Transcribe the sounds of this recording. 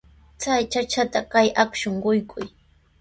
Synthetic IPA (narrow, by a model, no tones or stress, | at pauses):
t͡sajt͡ʃat͡ʃat̪akajʔakʃoɴɢʊjkʰʊj